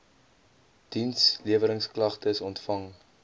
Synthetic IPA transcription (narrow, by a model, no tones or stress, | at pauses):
d̥insliəvəɾəŋsklɐχtəsɔntfɐŋ